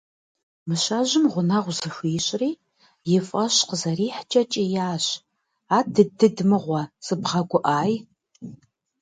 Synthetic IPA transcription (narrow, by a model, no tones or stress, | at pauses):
mɨɕɐʒɪmʁʷʊnɐʁʷzɨɕʷiːɕʼriː | jɪfʼɐɕqəzɐriːħt͡ʃʼɐt͡ʃʼijaːɕ | aːdɨdɨdmɨʁʷɐsʼɨbʁɐɡʷʊʔaːj